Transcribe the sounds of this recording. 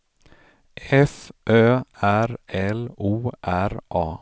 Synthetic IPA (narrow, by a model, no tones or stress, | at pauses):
ʔɛfʔøːæɾɛluːʔæɾʔɑː